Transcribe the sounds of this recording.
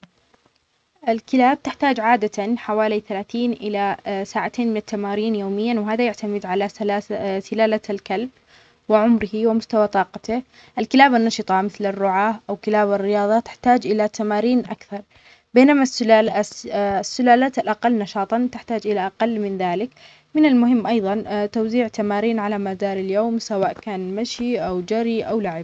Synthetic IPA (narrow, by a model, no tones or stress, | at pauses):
ʔɪlkɪlaːb̚t̪ɪħt̪aːd͡ʒʕaːd̪at̪anħawaːliθalaːθiːnʔɪlasaːʕat̪ʰeːnmɪnɪt̪ːamaːɾiːnjoːmɪjːanwɪɦaːðajaʕt̪amɪd̪ʕalalasɪlaːlalkalb | wɪʕʊmɾɪhiwɪmʊst̪awat̪ˤɑːqɑt̪ɪ | ʔalkɪlaːbanːɑʃɨt̪ˤɑmɪθlɪrːʊʕaːʔawkɪlaːbarːɪjɑːðˤɑt̪ɪ̥ħt̪aːd͡ʒʔɪlat̪amaːɾiːnʔa̰kθɑɾˤ | beːnamas | sːʊlaːlaːt̪alʔaqalːnɑʃɑːt̪ˤɑt̪ɪħt̪aːd͡ʒʔɪlaʔaqalːmɪnðaːlɪk | mɪnalmʊhɪmːʔɑjðˤɑnt̪awziːʕt̪amaːɾiːnʕalamad̪aːɾɪljoːmsawaːʔkaːnmaʃiʔawd͡ʒaɾiʔawlaʕɪb̚